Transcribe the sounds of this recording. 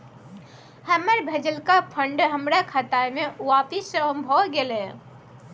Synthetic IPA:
həməɾbʱed͡ʒəlkapʰəɳɖɦəmɾakʰat̪ameuapisə̃əmbʱɔɡele

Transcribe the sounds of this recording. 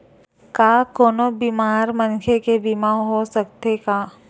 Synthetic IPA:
kakoːnobimaːɾmənkʰekebimaːɦosək̚t̪eɡaː

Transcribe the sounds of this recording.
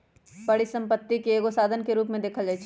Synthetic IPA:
pɐɽisɐ̃mpət̪ːikeeːɡosaːd̪ʱənkeɾuːpmẽd̪eːkʰəld͡ʒaːɛt͡ʃʰ

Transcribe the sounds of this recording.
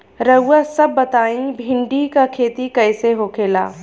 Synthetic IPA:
ɾɐʊːasɐbːɐt̪aːĩbʱɪ̃ɳɖikakʰeːt̪ikɐɪseɦoːkʰeːla̰ː

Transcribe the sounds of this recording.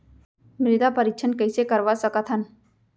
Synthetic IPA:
mɾɪd̪apəɾikt͡ʃʰənkəjsekəɾʋasəkət̪ʰɦan

